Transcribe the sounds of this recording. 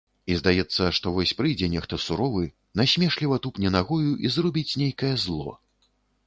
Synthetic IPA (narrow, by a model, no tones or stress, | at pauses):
izd̪ajɛt̪sːɐʂt̪ɔvɔsʲpɾɨjd͡zʲɛnʲɛxt̪ɔsuɾɔvɨ | nasʲmʲɛʂlʲivɐt̪upnʲɛnaɣɔjuʔizrɔbʲit͡sʲnʲejkɐjɛzlˠɔ̰